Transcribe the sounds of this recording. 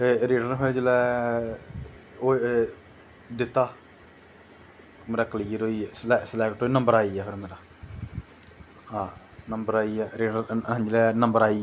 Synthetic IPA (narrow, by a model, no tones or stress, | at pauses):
eɾeːɖəɾpʰeɾd͡ʒəlɛː | o | d̪ɪt̪ːaː | meːɾaːkəliːɾoːislɛsəlɛːkʈoːnəmbəɾaːiːɛːpʰɪɾmeːɾaː | ãː | nəmbəɾaːiːɛːɾeːɖəɾ̃d͡ʒlɛːnəmbəɾaːi